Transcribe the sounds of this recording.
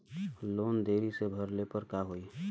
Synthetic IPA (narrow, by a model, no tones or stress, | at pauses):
loːnd̪eːɾisebʱəɾlepəɾkaɦoi